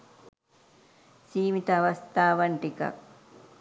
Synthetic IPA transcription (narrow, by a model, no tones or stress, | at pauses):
siːmit̪ɐːʋɐst̪aːʋɐɳʈikɐ̰